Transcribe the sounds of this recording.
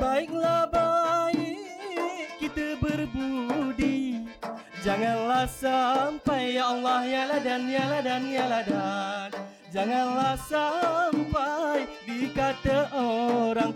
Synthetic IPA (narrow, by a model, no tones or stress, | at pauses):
baik̚labai | ʔkit̪abərbudi | d͡ʒaŋanlasampajaːlːahjaladanjaladanjaladan | d͡ʒaŋanlasampaidikat̪aʔoɾaŋ